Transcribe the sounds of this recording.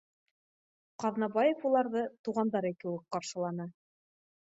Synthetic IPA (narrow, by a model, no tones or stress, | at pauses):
qɑðnɑbɑjɤfulˠɑɾðɤt̪uʁɑnd̪ɑɾɘkɘwɘk̚qɑɾʃɤ̆lˠɑnɤ